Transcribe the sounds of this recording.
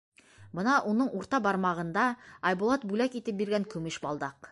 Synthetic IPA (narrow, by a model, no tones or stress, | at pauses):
bənɑʔonəɴwoɾt̪ɑbɑɾmɑʁənd̪ɑɑjbulˠɑt̪̚bʉlækit̪ɘp̚beɾɡʲæŋkʲʰɵmɘʃbɑlˠd̪ɑq